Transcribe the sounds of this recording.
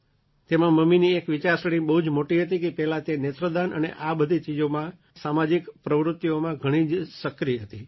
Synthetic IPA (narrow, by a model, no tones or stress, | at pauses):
t̪emãməminiekʋɪt͡ʃaɾsəɽ̃ĩbəɦud͡ʒmoʈiɦət̪ikepɛɦlat̪enet̪ɾəd̪anə̰nḛʔabəd̪ʱit͡ʃid͡ʒomã | samad͡ʒikpɾəʋɾʊt̪ːiomãɡʱəɽ̃id͡ʒsəkɾiɦət̪i